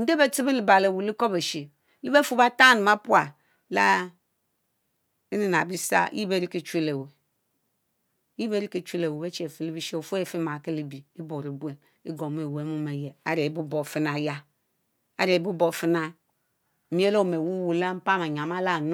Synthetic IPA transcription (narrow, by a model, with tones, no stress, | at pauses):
n̩˦de˦be˦ti˦bi˦li˨ba˨le˨wu˨li˦ko˦be˨ʃe˨˦ | li˦be˦fu˦ba˦ta˦nu˨ma˦pu˦a˨ | la˦ | i˦ni˨n˨a˨bi˦sa̰˦ji˦be˦˨ɾi˦ki˦t͡ʃʷi˦le˨we˨˦ | ji˦be˦ɾi˦ki˨t͡ʃi˦le˨we˨we˦t͡ʃe˨fi˨li˦bi˦ʃe˦o˨fu˦e˨fi˦ma˨ki˦li˦bi˨i˦bo˨ɾi˨bu˦e˨ | ḭ˦ɡo˨m˦e˨we˨˦mu˦me˨je˨a˦ɾe˨bu˦bo˨fi˦na˨ja˦ | a̰˦ɾe˨bu˦bo˨fi˦na˦˨ | mi˦e˦lo˦˨me˨wu˦wu˨la˦m̩˦pa˦˨ma˨ɲ˨a˨ma˦la˦˨n˦